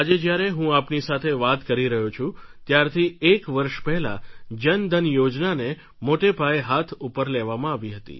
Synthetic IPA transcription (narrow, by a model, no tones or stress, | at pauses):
ad͡ʒed͡ʒjaɾeɦũapnisat̪ʰeʋat̪kəɾiɾəɦut͡ʃʰũt̪jaɾt̪ʰiekʋəɾʃpɛɦɛla̰d͡ʒənd̪ʱənjod͡ʒnane | moʈepaeɦat̪ʰupəɾleʋamãaʋiɦət̪ḭ